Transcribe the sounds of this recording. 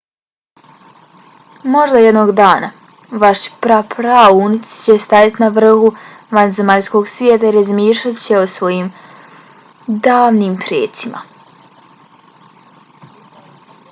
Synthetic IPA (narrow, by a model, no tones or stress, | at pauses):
mo̞ʒd̪ajed̪noːɡd̪aːna | ʋaʃpɾapʰɾaunit̪st͡ɕest̪ajat̪inaʋr̩hu | ʋanzemaʎsko̞ɡsʋʲjeːt̪aiɾazmiːʃlatt͡ɕe̞osʋo̞jiːm | d̪aːʋniːmpɾjḛːt̪simʔa̰